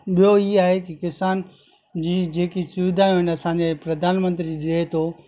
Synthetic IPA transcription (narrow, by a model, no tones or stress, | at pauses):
ɓijoiɦaːɦekikɪsaːn | d͡ʑiːd͡ʑeːkisʊʋɪd̪ʱaːjũɦɪnɐsãɲd͡ʑepɾɐd̪ʱaːnmə̃nt̪ɾiɗɪɾet̪ʰo